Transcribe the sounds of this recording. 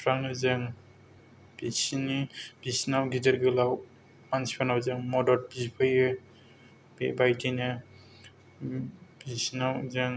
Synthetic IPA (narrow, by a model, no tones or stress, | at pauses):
pʰɾaŋnɯzaŋ | b̥isinib̥isnawɡidaɾɡɯlaw | mansi̥pʰanawzaŋmɔdɔɾ̚bispʰajɯ | bbajtina | bisnawzeŋ